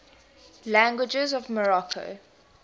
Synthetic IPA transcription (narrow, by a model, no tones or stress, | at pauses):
læ̃ŋɡwɪd͡ʒəzɔvməɹɔkʰo̰